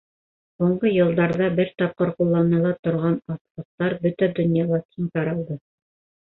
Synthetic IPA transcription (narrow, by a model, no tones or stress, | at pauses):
huɴɢɤjɤ̆lˠd̪ɑɾðɑbɘɾt̪ɑp̚qɤɾqulˠːɑnɤ̆lˠɑt̪ŏɾʁɑnɑt̪lˠɤ̆q̚t̪ɑɾbɵt̪æd̪ɵ̆njɑlˠɑkʰint̪ɑɾɑlˠd̪ɤ